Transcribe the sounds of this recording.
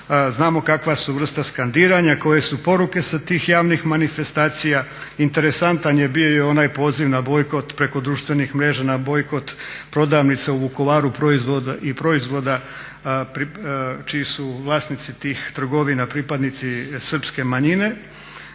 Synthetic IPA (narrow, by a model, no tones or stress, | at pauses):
znaːmo̞kakʋasuʋr̩st̪askand̪iːɾaɲako̞je̞supo̞ɾuke̞sat̪iːxjaːʋnixmanife̞st̪aːt̪sijaint̪e̞ɾe̞sant̪anjebijo̞jeo̞naːjpo̞ːziʋnabo̞jko̞t̪pɾe̞ko̞d̪ɾuːʃt̪ʋe̞nixmɾe̞ːʒanabo̞jko̞t̪pɾo̞d̪aːʋnit̪seubuko̞ʋaːɾupɾoizʋod̪aʔipɾo̞izʋo̞d̪a | pɾit͡ʃiisuʋlˠaːsnit̪sit̪iːxt̪r̩ɡo̞ʋinapɾiːpad̪nit̪sisr̩pske̞maɲine̞